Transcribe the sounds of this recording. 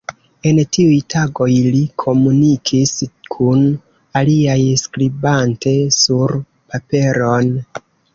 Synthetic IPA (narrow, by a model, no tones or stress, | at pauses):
e̞ntiujtʰaɡo̞jlikʰo̞munikʰiskʰun | aliajskɾibante̞suɾ | pape̞ɾo̞n